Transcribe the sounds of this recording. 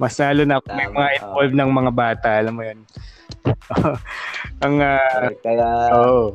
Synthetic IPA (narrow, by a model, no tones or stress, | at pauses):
mɐslaːlo̞nɐɐkomɐjmɐŋaʔɪnolvnɐŋmɐŋabaːt̪ɐʔɐlɐmːojon | ʔo | ʔɐŋaː | ʔoʔo